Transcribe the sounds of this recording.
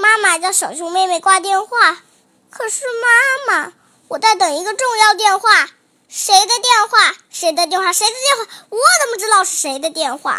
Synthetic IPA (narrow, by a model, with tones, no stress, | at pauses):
ma˥ma˨t͡ɕjɑ˥˩ʊʂɑ˨˩ŋt͡ɕʰʊ˥ŋme˥˧ɪme˥˩ɪkwa˥t̪̬jɛ˥˧nxwa˥˩ | kʰɤ˨˩ʂɻ̩˥˩ma˥ma˨˩ | wɔ˨˩t͡sa˥˩ɪt̪ɤ˨˩ŋi˧˥ɡə˧ʈ͡ʂʊ˥˧ŋjɑ˥˧ʊt̪̬jɛ˥˧nxwa˥˩ | ʂe˧˥ɪd̪ə˧t̪jɛ˥˧nxwa˥˩ʂe˧˥ɪd̪ə˧t̪̬jɛ˥˧nxwa˥˩ʂe˧˥ɪd̪ə˧t̪jnxwa˥˩wɔ˨˩t͡sə˥m˧ʈ͡ʂɻ̩˥t̪ɑ˥˧ʊʂɻ̩˥˩ʂe˧˥ɪd̪ə˧t̪jɛ˥˧nxwa̰˥˩